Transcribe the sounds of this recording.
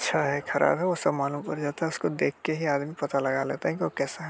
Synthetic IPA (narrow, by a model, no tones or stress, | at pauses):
tːʃʰaɦɛxʰɐɾʔa̰ːbɦɛʋosɐbmaːlũmpɐɾd͡ʒaːt̪aɦɛʊskod̪eːkʰːeɦiaːd̪mipɐt̪alɐɡalḛːt̪aɦɛk̬iʋokɛːsaɦɛ